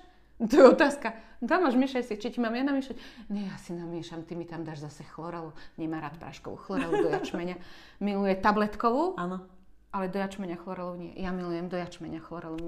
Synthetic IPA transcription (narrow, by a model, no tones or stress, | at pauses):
t̪ɔjɛɔt̪aːskad̪amaʒmiʃacsit͡ʃicimamjadnamiʃacɲɛjaːsinamɪɛʃamt̪imit̪amd̪aːʒzasɛxlɔɾɛluɲɛmaːɾaːt̪pɾʔa̰ːʃkɔ̰ʋṵxlˠɔɾɛludd̪ɔjat͡ʃmɛɲa | milujɛt̪ablɛt̪kɔʋuanɔ | ʔalɛd̪ɔjat͡ʃmɛɲaxlˠɔɾɛluɲɪɛ̰jamilujɛmd̪ɔjat͡ʃmɛɲaxlɔɾɛluɲ